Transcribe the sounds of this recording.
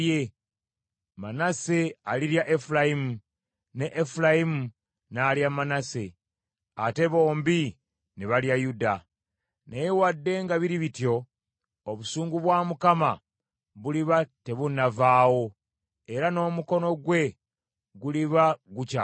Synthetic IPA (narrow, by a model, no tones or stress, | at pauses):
je | manase̞aliɾjaʔefulajimu | neʔːfulajimu | naːljamanase̞ | a̰te̞βo̞ːmbi | neβaljajuda | nejewadːe̞ŋɡaβiɾiβitjo̞ | oβusuːŋɡuβwaːmukama | βuliβate̞βunavaːwo̞ | e̞ɾano̞ːmuko̞no̞ɡwe̞ | ɡuliβaɡuca